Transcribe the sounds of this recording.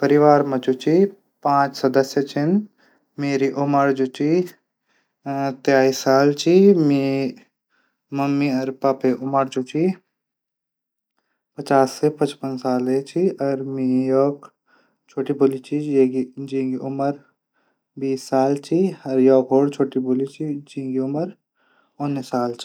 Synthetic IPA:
pəɾɪʋaːɾmɐ̃t͡ʃut͡ʃi | pãːt͡ʃsɐd̪əsjət͡ʃʰɪn | meːɾiʔʊməɾd͡ʒut͡ʃi | t̪jaːisaːlt͡ʃimiː | mɐmːiɐɾpaːpeʔʊməɾd͡ʒut͡ʃi | pət͡ʃaːsːepɐt͡ʃpənsaːlet͡ʃʰiɐɾmiːjɔːk | t͡ʃʰoːʈibolit͡ʃʰiid͡ʒĩːŋɡiʔʊməɾ | biːsːaːlt͡ʃʰiɐɾjɔːkɦoːɽt͡ʃʰoːʈibolit͡ʃid͡ʒĩːŋɡiʊməɾ | ʊnːsaːlt͡ʃi̥

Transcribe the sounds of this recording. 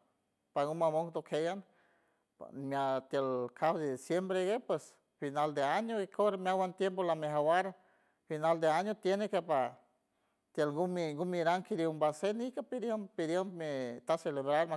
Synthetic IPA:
paŋɡumamoŋt̪okʰejan̰ | mat̪jelkʰawd̪ed̪isjembɾeɡepwes | finald̪eaɲoikʰoɾemjawant̪jempolameɦawaɾ | finald̪eaɲot̪jenekepa | t̪jelŋɡumiŋɡumiɾaŋkiɾumbasenikapid̪jompid̪jemmet̪aseleβɾaɾma

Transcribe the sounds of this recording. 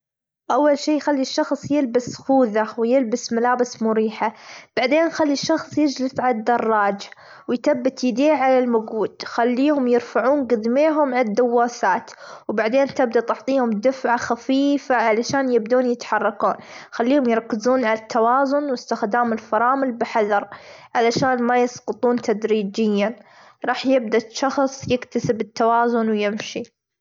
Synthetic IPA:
ʔawːalʃiːjxalːiʃːɑxsˤjɪlbasxuːðawjɪlbɪsmalaːbɪsmʊɾiːħab̥aʕd̪eːnxalːiʃːɑxsˤjɪd͡ʒlɪsʕalad̪ːɑrˤːɑːd͡ʒa | wɪjt̪abːɪt̪jɪd̪eːʕalalmʊɡuːd̪̥xalːiːhʊmjɪɾfaʕuːnɡɪd̪meːɦʊmʕad̪ːawːaːθaːt̪wbaʕd̪eːnt̪ɪb̚d̪at̪ɪʕt̪ˤiːhʊmd̪ɪfʕaxafiːfaʕalaʃaːnjɪb̚d̪uːnjɪt̪ħɑrˤːɑkuːnxalːiːhʊmjɪɾˤɑkːɪzuːnʕalat̪ʰːawɑːzʊnwɪst̪ɪxd̪aːmɪlfɑɾˤɑːmɪlbɪħaðɑɾˤʕalaʃaːnmajɑsqɨt̪ˤuːnt̪ʰad̪ɾiːd͡ʒɪjːa | ɾˤɑːħjɪb̚d̪aʃɑxsˤjɪkt̪asɪbɪt̪ːawɑːzʊnwjɪmʃi

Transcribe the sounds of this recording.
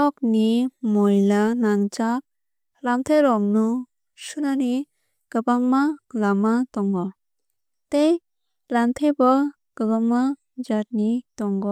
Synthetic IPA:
ɔk̚nimɔjlanaŋt͡ʃak̚ | ɾamt̪ʰejɾɔmnu | sunani | ɡ̥ɯbaŋmalamatɔŋɡɔ | tej | ɾantʰebɔ | ɡ̥ɯbaŋma | d͡ʒat̚nitɔŋɡɔ

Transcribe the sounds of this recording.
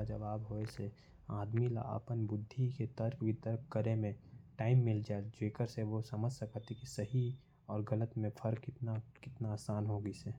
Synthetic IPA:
d͡ʒəʋaːbɦoese | aːd̪mila̰a̰pənbʊd̪ʱːiket̪əɾkʋit̪əɾkkəɾemẽʈaːɪmːɪld͡ʒaːed͡ʒeːkəɾseʋosəməd͡ʒʱsɐkət̪ʰikisəɦi | ɔːɾɡələt̪mẽpʰəɾkɪt̪nakɪt̪naaːsaːnɦoɡəiseː

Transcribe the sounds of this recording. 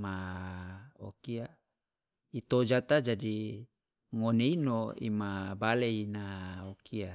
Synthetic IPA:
ma | o̰kia | it̪od͡ʒat̪ad͡ʒadi | ŋoneinoḭmabaleinaokʰia

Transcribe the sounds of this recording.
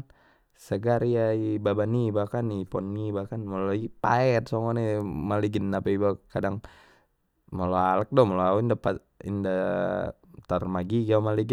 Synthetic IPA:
səɡaɾijaibabanibakanipɔnːibakanmoloipaɛt̪̚soŋɔnimaliɡənapaibakadaŋ | moloalək̚dɔmaloauindapa | ḭnda | t̪ərmaɡiɡamaliɡə

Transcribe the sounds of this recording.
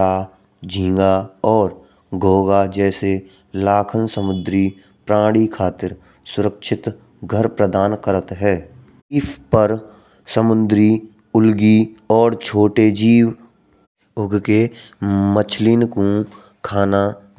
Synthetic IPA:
a | d͡ʒʱĩːŋ̆ɡaɔːɾ | ɡʱoːɡad͡ʒɛːse | laːkʰənsəmʊd̪ɾi | pɾãːɽikʰaːt̪ɪɾ | sʊɾəkʃʰɪt̪ | ɡʱəɾpɾəd̪aːnkəɾət̪ɦɛː | ɪspəɾ | səmʊnd̪ɾi | ʊlɡiɔːɾt͡ʃʰoːʈed͡ʒiːw | ʊɡke | mət͡ʃʰlinkũ | kʰaːna

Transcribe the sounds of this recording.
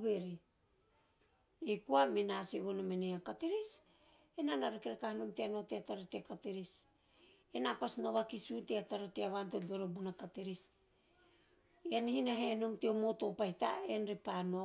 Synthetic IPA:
βeɾi | ekuaminasoeβonomeneakateɾis | enanaɾekeɾekahanomteanoteataɾoteakateɾis | enapasnoβakisuteataɾoteaβantodoɾobunakateɾis | ianihinaɦenomteomoto̞pahita̰enɾepano

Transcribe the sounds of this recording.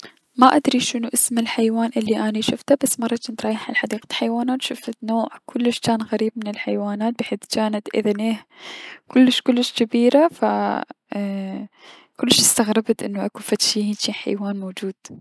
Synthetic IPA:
maʔad̪ɾiʃɪnuʔɪsmɪlħajwaːnʔɪlːiʔaniʃʊft̪abasːmɑrˤːɑt͡ʃɪnt̪ɾˤɑːjɪħalħad̪iːqat̪ħajwaːnat̪ʃʊfɪt̪noːʕkʰʊlːɪʃt͡ʃaːnɣaɾiːb̚mɪnɪlħajwaːnaːt̪̚bɪħeːθt͡ʃaːnat̪ʔɪ̰ðneːhkʊlːɪʃkʊlːɪʃkɪbiːɾafa | kʊlːɪʃɪst̪aɣɾɪbt̪ʔɪnːuʔakufat̪ʃiːhiːnt͡ʃiːħa̰jwaːnmoːd͡ʒuːd̪̥

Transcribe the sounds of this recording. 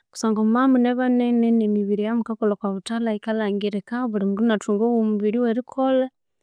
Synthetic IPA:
ku̥saːŋɡomumamuneβanenenemiβiɾijamukakolokwaβutalaikalaːŋɡiɾekaβulimuɡunatuːŋɡoβomuβiɾiweɾikʰole

